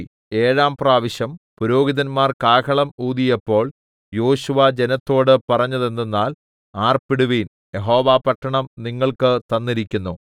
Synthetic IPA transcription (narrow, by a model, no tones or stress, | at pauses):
e̞ːɻaːmpraːʋiɕɐmpuɾo̞ːɡiðɐnmaːrkaːkʰɐɭɐmuːðijɐpːo̞ːɭ | jo̞ːɕuʋɐd͡ʑe̞nɐt̪ːo̞ːɽɨpɐrɐɲːɐðe̞nd̪enːaːl | aːrpiɽuʋiːn | je̞ɦo̞ːʋaːpɐʈʰːɐɳɐmniŋːɐɭkɨt̪ɐnːiɾikʲːunːu